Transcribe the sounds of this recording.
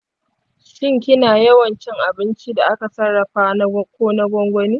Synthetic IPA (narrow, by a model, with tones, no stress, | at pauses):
ʃɪ˦ŋk̬ʲɪ˦naː˨jɐ˦wɐ˨nt͡ʃɪ˦ŋʔa˨bɪ˦nt͡ʃi˦da˨ʔa˦ka˨sɐ˦ɽːɐ˨ɸaː˦na˦kʷoː˦na˦ɡʷɔ˦ŋɡʷɐ˦niː˦